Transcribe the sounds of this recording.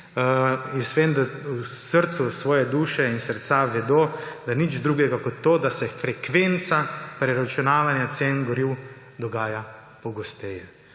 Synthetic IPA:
insʋend̪ausəɾt̪susʋɔːjɛd̪uːʃɛinsəɾt̪saʋɛd̪oːd̪anid͡ʒd̪ɾuːɡɛɡakɔt̪ːoːd̪asɛfɾɛkʋent̪sapɾɛɾat͡ʃunaːʋanjat̪seːnɡɔɾiw | d̪ɔɡaːja | pɔɡɔst̪ɛjɛ

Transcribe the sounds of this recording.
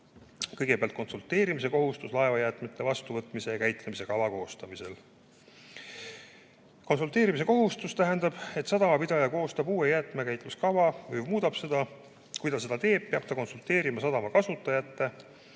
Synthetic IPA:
kɤjɡ̥e̞peɑlt̪̚ko̞nsult̪ːe̞ːɾimis̬e̞ko̞ɦust̪uslɑe̞vɑjæt̪ˑmet̪ˑːe̞vɑst̪uvɤt̪ːˑmisejɑkæjt̪ˑlemise̞kɑvɑko̞ːst̪ɑmise̞l | ko̞nsult̪ːˑe̞ːɾimis̬e̞ko̞ɦust̪ust̪æɦænd̪ɑb̥e̞t̪sɑd̪ɑmɑpid̪̥ɑjɑko̞ːst̪ɑbuːejæt̪ˑmekæjt̪ːˑluskɑvɑvɤjmuːd̪̥ɑb̥se̞d̪̥ɑ | kujd̪ɑse̞d̪̥ɑt̪e̞ːb̥̚peɑb̥̚t̪ɑko̞nsult̪ːe̞ːɾimɑsɑd̪ɑmɑkɑsut̪ːˑɑjɑt̪ːe̞

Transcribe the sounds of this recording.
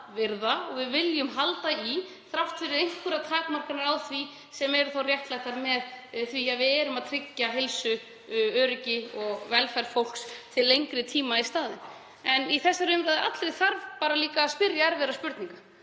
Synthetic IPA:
vɪɾðaɔɣvɪðvɪljʏmɦalt̪ai | θɾawft̪fɪɾɪðejŋkʏɾat̪ʰaːkmar̥kanaɾawθvi | sɛmɛɾʏθawrjɛht̪laht̪aɾmɛðθviavɪɛɾʏmaðt̪ʰɾɪcːaɦelsʏ | œːɾɪcɪɔɣvɛlfajɾ̥fowl̥kst̪ʰɪlːejŋkɾɪt̪ʰiːmaist̪aːðɪn | ɛniθɛsːaɾʏmɾaðɪʔa̰t̪lɛðθaɾvpaːɾaliːkaːspɪɾjaɛɾvɛːɾaspʏɾt̪niŋka

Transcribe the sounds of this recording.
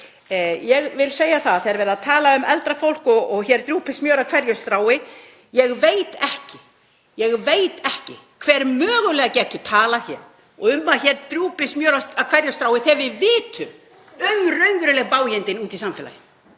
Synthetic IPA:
jɛɣvɪlseːjaθaðθeːɛɾvɛːɾðaðt̪ʰaːlaʏmɛlt̪ɾafowl̥kɔɔɣçɛɾt̪ɾjuːpɪsmjœːɾakʰvɛɾjʏst̪ɾaːwɪ | jɛɣveːjt̪ɛhcɪ | jɛɣveːjt̪ɛhcɪkʰv̥ɛːɾmœːɣʏlɛːɣacɛːt̪ʏt̪ʰaːlaçɛːɾ̥ | ɔʏmːaðçɛɾt̪ɾjuːpɪsmjœːɾaakʰvɛɾjast̪ɾaːwɪθɛvɪvɪːt̪ʰʏm | œɣrœɥŋvʏɾɪlɛɣpaːwjɛnt̪ɪnuːt̪isamfɪla̰jɪ

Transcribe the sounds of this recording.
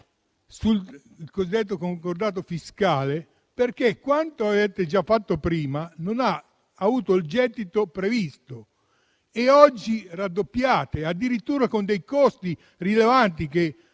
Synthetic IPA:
sul | kozid̪ːet̪̬ːokoŋkord̪aːt̪̬ofiskaːle | perkekːwant̪oavɛːt̪ed͡ʒafːat̪ːopɾiːmanonaː | vuːt̪oild͡ʒɛd̪ːit̪opɾevist̪o | eɔd͡ʒːirad̪ːopːjaːt̪ead̪ːiɾit̪ːuːɾakond̪ejkɔst̪i | rilevant̪ik̟e

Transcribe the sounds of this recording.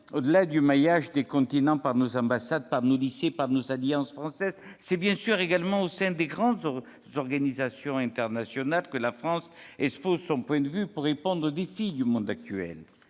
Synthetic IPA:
od̪əlad̪ymajaʒd̪ekɔ̃t̪inɑ̃paʁnozɑ̃basad̪̚paʁnolisjepaʁnozaljɑ̃sfχɑ̃sɛzsɛbjɛ̃syʁeɡalmɑ̃osɛ̃d̪eɡʁɑ̃d̪z | zɔʁɡanizasjɔ̃ɛ̃t̪ɛʁnasjɔnalkəlafχɑ̃sɛspozsɔ̃pwɛ̃d̪əvypuʁːepɔ̃d̪ʁod̪efid̪ymɔ̃d̪ak̚t̪yɛ̰l

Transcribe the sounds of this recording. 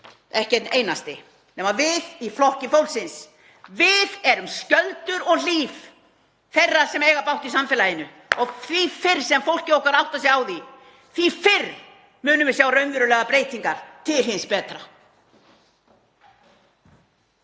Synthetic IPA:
ɛhcɛt̪neːjnast̪ɪ | nɛːmavɪðiflɔhcɪfowlsɪns | vɪðɛɾʏmscœlt̪ʏɾɔɣliːf | fɛrːḁsɛmɛjɣapawht̪isamfɛlajɪnʏ | ɔɣθvifɪr̥sɛmfowl̥cɪowhkaɾawht̪asjɛɣaːwði | θvifɪr | mʏːnʏvɪ̥sjaːwrœɥnvɪɾʏlɛːɣapɾeːjt̪iŋkaɾ̥t̪ʰɪlɦɪnspɛːt̪ɾa

